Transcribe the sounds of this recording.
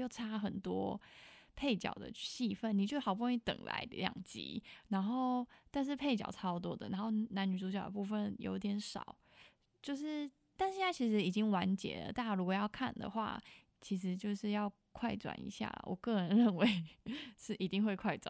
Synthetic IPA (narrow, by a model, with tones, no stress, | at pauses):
jo˥˩ʊʈ͡ʂʰa˥xə˨˩nt̪wɔ̰˥pʰe˥˩ɪt͡ɕjɑ̰˨˩ʊd̪ə̰˩t͡ɕi˥˧fə˥˩nːi˨˩t͡ɕjo˥˩ʊxɑ˨ʊbu˥˧wa˥ny˧˥t̪ə̰˨˩ŋla̰˧˥ɪljɑ̰˨˩ŋt͡ɕḭ˧˥na˧˥nxo˥˩ʊt̪a˥˧nʂ̬ɻ̩˥˧pʰe˥˩ɪt͡ɕjɑ̰˨˩ʊʈ͡ʂʰɑ˥˧t̪̬wɔ˥d̪ə̰˨na˧˥nxo˥˩ʊna˧˥ny˨˩t͡su˧˥t͡ɕjɑ˨˩ʊd̪ə̰˨˩pu˥˩fə˨njo̰˧˥ʊi˥˩t̪jɛ˧˥nʂɑ̰˨˩˦ʊ | t͡ɕjo˥˧ʊʂɻ̩˥˩ | t̪a˥˧nɕjna˥˩t͡ɕʰi˧˥ʂɻ̩˧˥i˨˩t͡ɕi˦ŋwa˧˦nt͡ɕjɛ̰˨˩lə̰˩t̪a˥˩˥ɻu˧˥kwɔ˨jɑ˥˧ʊkʰa˥˩nd̪ə̰˩xwa̰˥˩ | t͡ɕʰi˧˥ʂ̬ɻ̩˧˥t͡ɕjo˥˧ʊʂɻ̩˥˧jɑ˥˧ʊ | kʰwa˥˩ɪt͡swa̰˨˩nḭ˧˥ɕja̰˥˩lə̰˩wɔ̰˨˩kɤ˥˩ɻə˧˦nɻə˥˩nwe˧˥ɪʂɻ̩˥˩ʔi˨˥t̪i˥˧ŋxwe˥˧ɪkʰwa˥˩ɪʈ͡ʂwa̰˨˩